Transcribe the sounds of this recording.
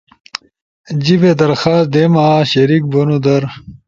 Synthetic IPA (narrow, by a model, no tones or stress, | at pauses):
d͡ʑibed̪ɐɾxaːs̚d̪emaːɕɐɾik̚bonud̪ɐɾ